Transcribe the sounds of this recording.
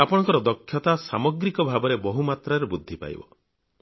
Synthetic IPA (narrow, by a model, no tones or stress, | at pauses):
apɔɽɔ̃ŋkɔɾɔd̪ɔkʰːjɔt̪asamɔɡɾikɔbʱabɔɾebɔɦumat̪ɾaɾebud̪ʱːipa̰j̰bɔ̰